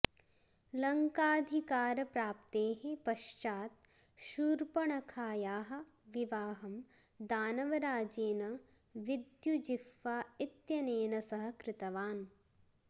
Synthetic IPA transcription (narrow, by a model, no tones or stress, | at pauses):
lɐŋkaːd̪ʱikaːɾɐpɾaːp̚t̪eːɦepɐʃt͡ʃaːt̪̚ | ʃuːɾpɐɳɐkʰaːjaːɦɐ̆ | ʋiʋaːɦɐm | d̪aːnɐʋɐɾaːd͡ʒeːnɐ | ʋid̪jud͡ʒifːaːit̪jɐneːnɐsɐɦɐkɾɪt̪ɐʋaːn